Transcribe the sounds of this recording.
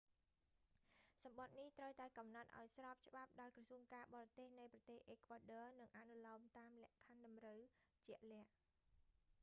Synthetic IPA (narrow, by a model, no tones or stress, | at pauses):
sɑmɓɑt̪̚niht̪rəwt̪aɛkɑmnat̪̚ʔa̰ɔjsrɑːp̚t͡ɕə̆ɓap̚ɗaɔjkrɑsuəŋkaːɓɑːɾɑt̪eːhnɨjprɑt̪eːhʔeːkʰʋaːɗɔːnɨŋʔanulɑːmt̪aːmlɛ̆əʔkʰanɗɑmrəwt͡ɕɛ̆əʔlɛ̆əʔ